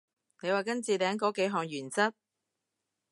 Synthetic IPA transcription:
ne˨˧jwaː˨˩kɐ˥nt͡siː˨t̪ɛː˨˥ŋkɔː˨˥ke˨˥jɦɔː˨˧ŋjyː˨˩nt͡sɐ˥t̚

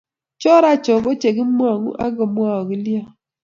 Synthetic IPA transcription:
t͡ʃɔ˦ɾa˦t͡ʃɔ˨bɔ˦t͡ʃe˨ɡɪ˦m˦a˨ŋṵ˦ʔa˦ɡɔ˨mwa˦˨ɔ˨ɡi˦lja˦˨

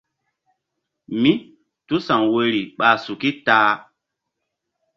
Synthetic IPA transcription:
mi˦ | tu˦sã˨ŋwe˨ɾi˨ɓaː˨su˨ki˦taː˦

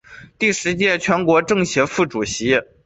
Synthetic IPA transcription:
t̪i˥˩ʂɻ̩˧˥t͡ɕjɛ˥˩t͡ɕʰɥɛ˧˥nkwɔ˧˥ʈ͡ʂɤ˥˩ŋɕjɛ˧˥fu˥˩ʈ͡ʂu˨˩ɕi˧˥

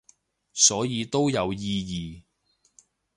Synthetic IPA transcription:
sɔː˨˥jiː˨˧t̪o˥wjɐ˨˧wjiː˧jiː˨

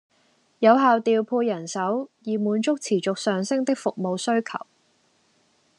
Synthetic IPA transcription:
jɐ˨˧wɦaː˨˧wt̪iː˨˧wpʰuː˧jɐ˨˩nsɐ˨˥wjiː˨˩muː˨˥nt͡sʊ˥k̚t͡sʰiː˨˩t͡sʊ˨k̚sœː˨ŋsɪ˥ŋt̪ɪ˥k̚fʊ˨k̚mo˨˧wsɵ˥ɥkʰɐ̰˨˩w

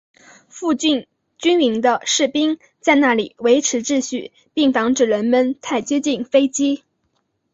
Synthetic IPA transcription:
fu˥˧t͡ɕi˥˧n | t͡ɕy˥ni˧˥ŋd̪ə˧ʂɻ̩˥˩pi˥ŋ | t͡sa˥˧ɪna˥˩li˨˩we˧˥ɪʈ͡ʂʰɻ̩˧˥ʈ͡ʂɻ̩˥˧ɕy˥˩ | pi˥˩ŋfɑ˧˥ŋʈ͡ʂɻ̩˥˩ɻə˧˥nmə˧nt̪ʰa˥˩ɪt͡ɕjo˥ʊt͡ɕi˥˩nfe˥ɪt͡ɕi˥

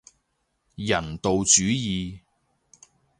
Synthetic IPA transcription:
jɐ˨˩nt̪o˨wt͡syː˨˥jiː˨

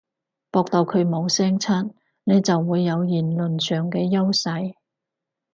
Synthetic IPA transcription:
pɔː˧k̚t̪ɐ˨wkʰɵ˨˧ɥmo˨˧wsɛː˥ŋt͡sʰaː˥t̚ | ne˨˧jt͡sɐ˨wːuː˨˧jːɐ˨˧wjiː˨˩nlɵ˨nsœː˨ŋkɛː˧jɐ˥wsɐ˨˧j

